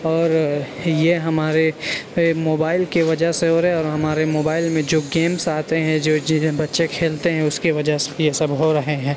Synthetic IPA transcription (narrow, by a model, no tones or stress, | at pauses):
ɔːɾjeɦɐmaːɾe | moːbaːɪlkiʋɐd͡ʒəseɦoɾɐɦeɔːɾɦɐmaːɾemoːbaːɪlmẽd͡ʒoːɡeːmsaːt̪eɦɛ̃d͡ʒoːbɐtːʃekʰeːlt̪eɦɛ̃ʊskiʋɐd͡ʒəse̥jesɐbɦoɾɐɦeɦɛ̃ː